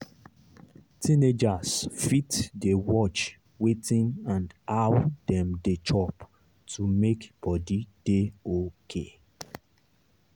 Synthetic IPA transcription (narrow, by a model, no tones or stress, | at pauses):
tʰĩned͡ʒasfitdewɔt͡ʃ | wetĩnãndawdɛ̃mdet͡ʃʰɔp | tʰumekb̥ɔdid̥eokʰḛ